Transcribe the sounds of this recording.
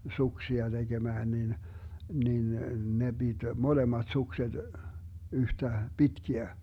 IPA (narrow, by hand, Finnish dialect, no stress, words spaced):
suksiɑ d̥eɡ̊emæːn nin nin ne b̥id̥ molemɑt sukset yhtæ pitkiæ